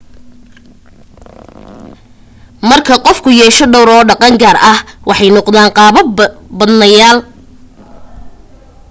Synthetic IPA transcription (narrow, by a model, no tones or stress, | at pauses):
mɐrkʰɐqɔfkʰʊjɛːʃɔɖɔwɾɔːɖɑqɑŋɡaːrɐhwɑħɑjnɔqd̪aːɴqɑːβɐbɐd̪nɐjaːl